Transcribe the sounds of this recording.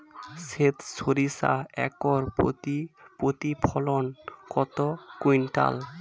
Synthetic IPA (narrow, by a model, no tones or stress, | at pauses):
set̪soɾisa̰ɛ̰kɔɾipot̪ipʰɔlonkɔt̪okujnʈa̰l